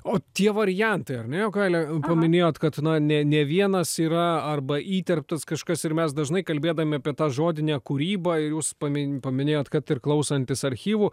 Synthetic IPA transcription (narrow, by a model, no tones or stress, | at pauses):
oːt̪ʲiɛʋɐɾʲɪjɛnt̪ɐɪɐɾnʲɛjoːɡɑɪlʲɛpɐmʲɪnʲeːjoːt̪kɐt̪nɐnʲɛnʲɛʋʲiɛnɐsiːɾɐɐrbɐʔiːt̪ʲɛrʲp̚t̪ɐskɐʃkɐsɪɾmʲɛsd̪ɐʒnɐɪkɐlʲbʲeːd̪ɐʋoːmʲɪɐːpʲiɛt̪ɑːʒoːd̪ʲɪnʲɛːkuɾʲiːbɐɪɾjuːspɐmʲɪpɐmʲɪnʲeːjoːt̪kɐt̪ɪrklˠɐʊsɐnʲt̪ʲɪsɐɾʲxʲiːʋuː